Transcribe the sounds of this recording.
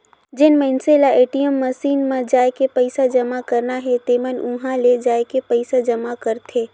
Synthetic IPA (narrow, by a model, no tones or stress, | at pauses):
d͡ʒɪnmɛɪnselaʔeːʈijəmːəsiːnmẽd͡ʒaːekepəɪsad͡ʒəmakəɾnaɦɛt̪eːmənʊɦãled͡ʒaːekepəɪsad͡ʒəmakəɾt̪ʰeː